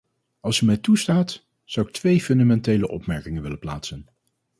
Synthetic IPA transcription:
ɑlˠsymɛjtustaːt | z̥ɑwɪk̚tʋejfɵndamɛntejləʔɔ̰pmɛɹkɪŋənʋɪləplaːtsən

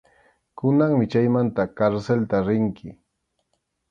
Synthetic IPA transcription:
kʊnaŋmɪt͡ʃajmant̪akaɾselt̪aɾɪŋkʰɪ

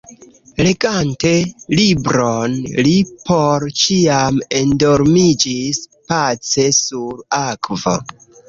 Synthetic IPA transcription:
le̞ɡante̞libɾonlipʰo̞ɾt͡ʃiame̞ndo̞ɾmid͡ʒispat͡se̞suɾakvo̞̰

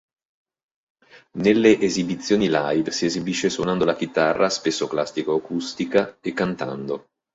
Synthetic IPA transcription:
nelːeʔezibit̪sːjoːnilajd̪siezibiʃːeswonand̪olak̟it̪arːaspesːoklast̪ikoakust̪ikaekːant̪a̰nd̪o

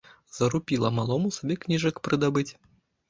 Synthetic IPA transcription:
z̥ɐɾupʲilˠɐmalˠɔmusabʲɛknʲiʐɐkpɾɨd̪abɨt͡sʲ

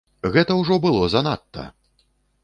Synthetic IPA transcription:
ɣɛt̪ɐwʐɔbɨlˠɔzɐnat̪ːɐ̰

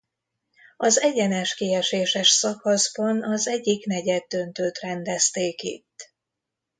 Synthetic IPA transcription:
ɒzɛɟɛnɛʃkiɛʃeːʃɛʃsɒkɒzbɒnɒzɛɟːiknɛɟɛd̪ːø̞nt̪øːt̪rɛnd̪ɛst̪eːkḭt̪ː

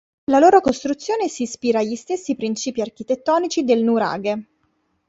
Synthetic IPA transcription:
laloːɾokost̪ɾut̪sːjoːnesiːspiːɾaːʎist̪esːipɾint͡ʃiːpiark̟it̪et̪ːɔːnit͡ʃid̪elnuɾa̰ːɡe

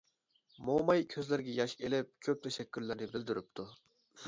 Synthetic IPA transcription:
momɑjkʲʰøzlɪɾɡʲɛjɑʃelɪp̚kʲʰøp̚t̪ʰɛʃɛkʲːyɾlɪɾnɪbɪld̪yɾyp̚t̪ʰu

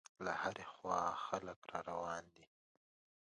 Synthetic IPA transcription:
lahaɾexwɑxaləkɾɑɾawɑnd̪i

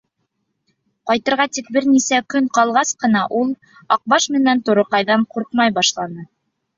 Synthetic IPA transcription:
qɑjt̪ɤ̆ɾʁɑt̪ik̚bɘɾnisækɵɴqɑlˠʁɑsqɤ̆n̪ɑʔulˠ | ɑq̚bɑʃmɘ̆nænt̪ŏɾoqɑjðɑɴquɾqmɑjbɑʃlˠɑnɤ

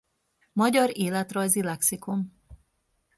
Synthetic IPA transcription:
mɒɟɒɾeːlɛt̪rɒjzilɛksikom

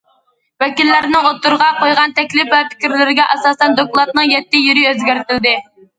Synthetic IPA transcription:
vɛkʲilːæɾnɪot̪ːuɾʁɑqojʁɑnt̪ʰɛkʲlɪpvɛpʰɪ̥kʲiɾlɪɾɪɡʲɛʔɑsɑːsɛnd̪oklˠɑt̪nɨŋjɛt̪ːɪjyɾɪøzɡʲæɾt̪ɪld̪ɪ

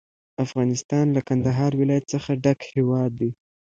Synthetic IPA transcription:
afɣɑnɪst̪ɑnlakand̪aɦɑɾwɪlɑjat̪səxaɖakhewɑd̪ːi

